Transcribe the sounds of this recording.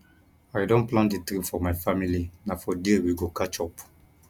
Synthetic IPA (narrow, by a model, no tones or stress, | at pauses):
ajdõnplãndətɾĩfɔmaɪfamilinafɔdiwiɡokat͡ʃɔp